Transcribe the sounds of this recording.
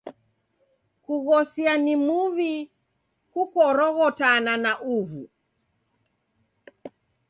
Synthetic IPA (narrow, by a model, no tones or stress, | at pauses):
kuɣɔsianimuvi | hukɔɾɔɣɔtananaʔuvu